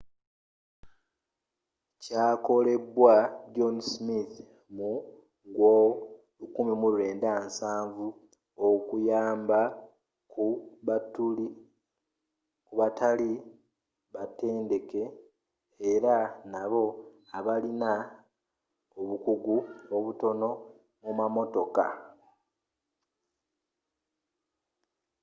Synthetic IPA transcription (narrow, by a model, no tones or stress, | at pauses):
caːko̞le̞bwaɟo̞nsmiθ | mu | ɡwo | lukumimuuɾe̞ːndansaːɱvu | okujaːmba | kuβatuli | kuβatʰali | βate̞ːnde̞ke̞ː | ɾanaβo̞ | aβalina | oβukuɡuoβuto̞no̞ | mumamo̞to̞ka̰